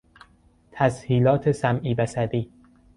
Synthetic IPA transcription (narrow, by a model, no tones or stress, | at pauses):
t̪ʰæshiːlɒːt̪ʰe̞sæmʔiːbæsæd̪iː